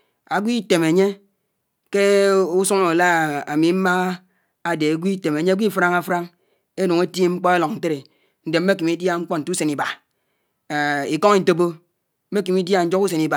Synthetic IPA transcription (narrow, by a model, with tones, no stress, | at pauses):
a˨ɡʷi˦te˨me˨ɲe˦ | ke˦u˦su˦ŋo˨la˦˨a˨mi˨˦ma˦ | a˨de˨a˨ɡʷi˦te˨me˨ɲe˦ɡʷi˦fɾa˦ŋa˦fɾa˦ŋ | e˦nu˨ŋe˦te˦ŋ͡m̩˦k͡pɔ˦e˦lɔ˨ŋn̩˨te˦ɾe˨ | n̩˨de˨m̩ː˦e˦ki˨mi˦dja˦ŋ͡m̩˦k͡pɔ˦n̩˨tu˦se˨ni˨ba˨ | i˨kɔ˦ŋi˦n̩˦to˦bo˦ | m̩˦me˦ki˨mi˦dja˦n̩˦d͡ʒo˦ku˦s̬e˨ni˨ba˨